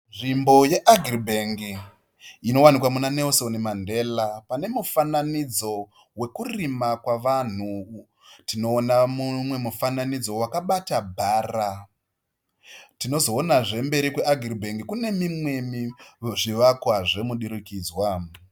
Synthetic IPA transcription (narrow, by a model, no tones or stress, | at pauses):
nʐimbo̞je̞ʔaɡʱribʱeŋɡiː | no̞wanikwamunane̞lso̞nimande̞ːlapane̞mufananid͡zo̞ | we̞kurimakwaʋan̤u | tino̞ːnamumwe̞mufananid͡zo̞wakaɓatabʱaːra | tino̞zo̞ːnaʐe̞mbe̞ɾikweʔaɡʱiribʱe̞ŋɡikune̞mimwe̞miʐiʋakwaʐe̞muɗiɾikiːd͡zwa